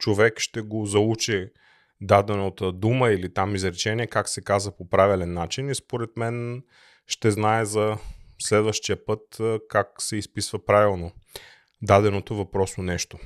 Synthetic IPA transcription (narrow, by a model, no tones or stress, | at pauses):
t͡ʃovɛkʃt̪ɛɡozɐut͡ʃɛ | d̪ad̪ɛnot̪əd̪uməilit̪amizɾɛt͡ʃɛniɛkaksɛkazəpopɾavilɛnːat͡ʃinispoɾɛt̪mɛn | ʃt̪ɛznaɛzɐslɛd̪vəʃt̪ijəpɤt̪kaksɛispisvɐpɾavilˠno | d̪ad̪ɛnot̪ovɐpɾɔsonɛʃt̪o